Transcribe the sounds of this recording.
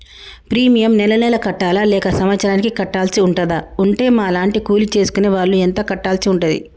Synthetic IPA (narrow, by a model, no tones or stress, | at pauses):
pɾiːmijɐmnɛlɐnɛːlɐkɐʈːaːlɐlɛːkɐsɐmɐt̪sʰɐɾaːnikikɐʈːaːlsiuɳʈɐd̪ɐuɳʈe̞ːmaːɐlaːɳʈikuːlit͡ʃe̞ːsu̥kuneːʋaːɭːuent̪ɐkɐʈːaːlsiuɳʈɐd̪ḭ